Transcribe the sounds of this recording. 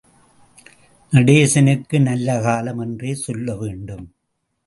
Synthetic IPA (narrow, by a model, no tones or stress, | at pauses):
nɐɽeːsɐnɯkːɯnɐlːɐkaːlɐmɛndreːsɔlːɐʋeːɳɖɯm